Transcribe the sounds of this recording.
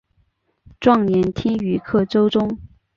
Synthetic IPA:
ʈ͡ʂwɑ˥˩ŋnjɛ˧˥nt̪ʰi˥ŋy˧˥kʰɤ˥˩ʈ͡ʂo˥ʊʈ͡ʂʊ˥ŋ

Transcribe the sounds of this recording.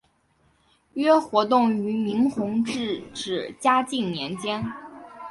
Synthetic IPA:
ɥɛ˥xwɔ˧˥t̪̬ʊ˥˩ŋy˧˥mi˧˥ŋxʊ˧˥ŋʈ͡ʂɻ̩˥˩ʈ͡ʂɻ̩˨˩t͡ɕja˥t͡ɕi˥˩ŋnjɛ˧˥nt͡ɕjɛ˥n

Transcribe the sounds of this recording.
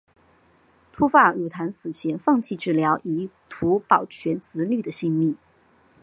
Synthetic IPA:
t̪ʰu˥fa˥˩ɻu˨˩t̪ʰa˧˥nsɹ̩˨˩t͡ɕʰjɛ˧˥nfɑ˥˧ŋt͡ɕʰi˥˧ʈ͡ʂɻ̩˥˩ljɑ˧˥ʊʔi˧˥ | t̪ʰu˧˥pɑ˨˩ʊt͡ɕʰɥɛ˧˥nt͡sɹ̩˧˥ly˥˩d̪ə˩ɕi˥˧ŋmi˥˩

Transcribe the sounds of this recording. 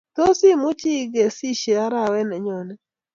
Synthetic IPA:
to˦si˦mu˦t͡ʃi˦ɡe˨si˦ʃɛ˨a˦ɾa˦˨wɛ˦nɛ˨ɲɔ˨nɛ˦

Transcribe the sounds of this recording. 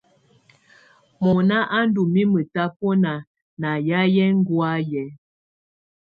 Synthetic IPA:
mɔ˨na˦ʔa˦n˦du˨mi˦mə˨ta˦pɔ˦na˨ | na˨ja˦jɛ˦ŋ̩˦ɡwa˦jɛ˨˦

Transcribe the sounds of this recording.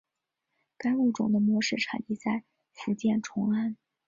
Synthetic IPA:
ka˥ɪu˥˩ʈ͡ʂʊ˨˩ŋd̪ə˦mwɔ˧˥ʂɻ̩˥˩ʈ͡ʂʰa̰˨˩ni˥t͡sa˥˩ɪ | fu˧˥t͡ɕjɛ˥˩nʈ͡ʂʰʊ˧˥ŋa˥˩n

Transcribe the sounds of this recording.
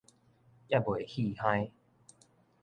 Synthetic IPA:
ja˥˨bwe˨hi˥˧˨hã˧j

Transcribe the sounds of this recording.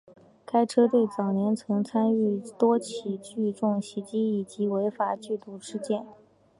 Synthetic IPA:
kʰa˥ɪʈ͡ʂʰɤ˥t̪we˥˩ɪt͡sɑ˨˩ʊnjɛ˧˥nt͡sʰɤ˧˥ŋt͡sʰa˥ny˥˩t̪wɔ˥t͡ɕʰi˨˩t͡ɕy˥˧ʈ͡ʂʊ˥˩ŋɕi˧˥t͡ɕi˥i˨˩t͡ɕi˧˥we˧˥ɪfa˨˩t͡ɕy˥˧t̪u˥˩ʂɻ̩˥˧t͡ɕjɛ˥˩n

